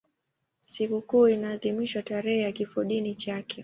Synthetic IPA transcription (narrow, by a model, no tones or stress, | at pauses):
sikukuːinaːðimiʃwataɾɛhɛjakifɔɗinit͡ʃakʰɛ